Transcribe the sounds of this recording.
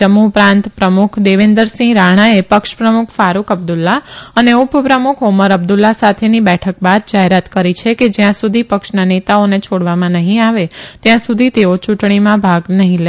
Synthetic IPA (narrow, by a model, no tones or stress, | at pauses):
əmupɾãnt̪pɾəmukʰd̪eʋend̪əɾsĩɾaɽ̃aepəkʃpɾəmukʰfaɾukʰəb̚d̪ulːaəneʊppɾəmukʰoməɾəb̚d̪ulːasat̪ʰenibɛʈʰək̚bad̪̚d͡ʒaɦeɾat̪kəɾit͡ʃʰeked͡ʒjãsud̪ʱipəkʃnanet̪aonet͡ʃʰoɽʋamãnəɦĩaʋet̪jãsud̪ʱit̪eot͡ʃuʈɳ̃imãbʱaɡnəɦĩle